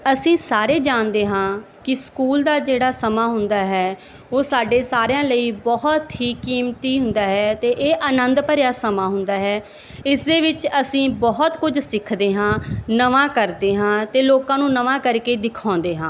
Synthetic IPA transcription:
əsĩːsaːɾeːd͡ʒaːnd̪eːɦãː | kɪskuːld̪aːd͡ʒeːɽaːsəmaːɦʊnd̪aːɦɛː | oːsaːɖeːsaːɾejãːləiːbɔɦt̪ɦiːkːiːmt̪iːɦʊ̃nd̪aːɦɛːt̪eːʔeːʔənə̃nd̪pəɾjaːsəmaːɦʊ̃nd̪aːɦɛː | ɪsd̪eːʋɪt͡ʃəsĩːbɔɦt̪kʊd͡ʒsɪkʰd̪eːɦãːnəʋãːkəɾd̪eːɦãːt̪eːloːkãːnũːnəʋãːkəɾkeːd̪ɪkʰãːnd̪eːɦãː

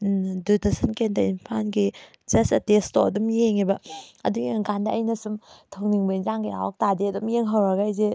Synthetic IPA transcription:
dutʰɐsɐnkendɐinpʰanɡi | d͡ʒɐsɐtestoɐdumjeŋebɐɐ̰duɡiɡandɐʔːjnɐsumtʰɐwniŋbɐinzaŋɡiɾa̰wak̚tadiɐdumjeŋɦɐwɾaɡajze

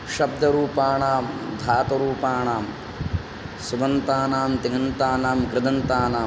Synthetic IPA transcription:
ʃɐb̚d̪ʱɐɾuːpaːɳaːmd̪ʱaːt̪ɐɾuːpaːɳaːm | subɐnt̪aːnaːmt̪iŋɐnt̪aːnaːmkɾɪd̪ɐnt̪aːnaː

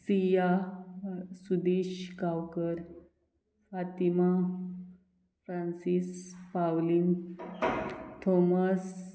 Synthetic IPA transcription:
sija | sud̪iɕkawkəɾ | fat̪ima | fɾansispawlin | t̪ʰomas

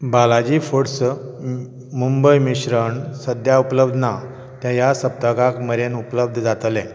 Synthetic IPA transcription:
balad͡ʑifoɽs | mumbəjmiɕɾəɳsəd̪ʱjaupləbd̪ʱna | t̪jãjasəp̚t̪əɡakməɾenupləb̚d̪ʱd͡zat̪lɛ̃

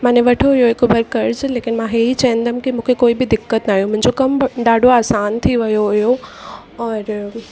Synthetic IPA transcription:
m̤ãːneʋɐʈʰoɦijoɦɪkʊbʱɐɾkɐɾd͡ʑleːkɪnmãɦeit͡ɕɐ̃ːə̃nd̪əmkimũːkʰekoːibɪd̪ɪkːət̪naːɦijõmʊ̃ɦɪ̃ɲd͡ʑokɐmɖaːɖʱoaːsaːnt̪ʰiʋɐjoɦʊjo | ɔːɾ

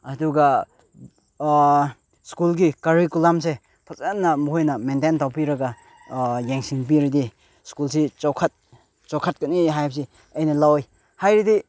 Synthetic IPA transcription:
ɐduɡa | skulɡikɐɾikulamse | pʰɐsanːɐmuɦojnɐmententawpiɾɐɡa | jeŋsiŋp̬iɾidi | skulsit͡ʃɔwkʰat̚ | t͡ʃɔwkʰat̚kɐniɦajp̚s̬i | ɐjnɐlawj | hajɾidi

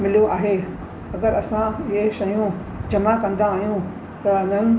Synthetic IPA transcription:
mɪlijoʔaːɦe | ɐɡəɾɐsãɪɦeʃɐjũ | d͡ʑɐmakɐ̃nd̪aːɦjũ | t̪ɐnɐn

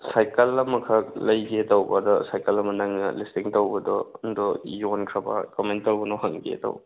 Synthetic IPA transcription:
sajkɐlːɐmɐkʰɐlɐjɡetɐwbɐdɔsajkɐlɐmɐnɐŋnɐ̰listiŋtɐwbɐdɔndɔjonkʰɾɐbɐ̰kɔmentɐɾbɔnɔhɐŋɡḛto̰wb

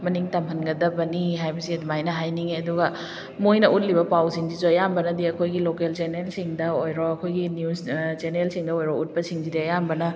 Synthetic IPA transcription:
mɐniŋtɐmɦɐnɡɐdɐbɐniɦajbɐsiɐdmajnɐɦajniŋeɐduɡɐ | mojnɐʔut̬̚libɐpawsiŋd͡ʒid͡ʒojambɐnɐdiɐkʰojɡilokelt͡ʃenelsiŋdɐojɾɔɐkʰojɡinjust͡ʃenelsiŋdɐojɾɔut̚pɐsiŋzidiɐjambɐnɐ

